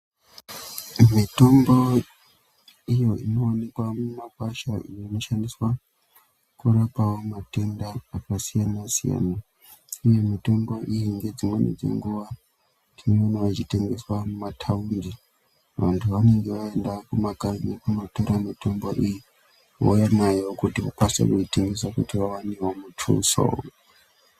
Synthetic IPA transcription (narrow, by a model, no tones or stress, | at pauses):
mito̞mbo̞ | ijo̞ino̞ːne̞kwamumakwaʃaijoino̞ʃandiswa | kuɾapawo̞mate̞ndaːkasijanasija̰na | ujo̞mito̞mbo̞ʔijiŋɡe̞d͡zimwenḛd͡zḛŋɡuʋa | tineonoʋat͡ʃite̞ŋɡe̞swamumatʰawiri | ʋa̰ntʰuʋane̞ŋɡe̞ʋae̞ndakumakainekunotoɾamito̞mboʔiji | wo̰janajewokutiwo̰kwasa̰kuite̞ŋɡe̞sakutiʋawanewomutʰṵso̰